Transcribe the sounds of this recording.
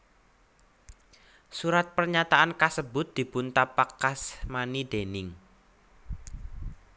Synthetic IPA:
suɾat̪̚pərɲat̪aʔankasəbʊt̪̚d̪̥i̤pʊnt̪apakasmanid̪̥enɪŋ

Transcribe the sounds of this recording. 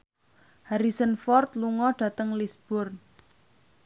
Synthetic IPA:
haɾisənfɔrt̪luŋɔɖ̥ä̤t̪əŋlisb̥ʊrn

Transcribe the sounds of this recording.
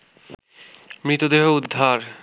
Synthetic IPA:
mɾit̪od̪eɦoud̪ʱːaɾ

